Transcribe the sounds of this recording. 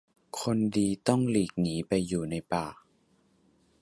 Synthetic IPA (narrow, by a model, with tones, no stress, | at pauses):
kʰo˧ndiː˧t̪ɔ˥˩ŋliː˨˩k̚niː˨˦pa˧jːuː˨˩na˧jpaː˨˩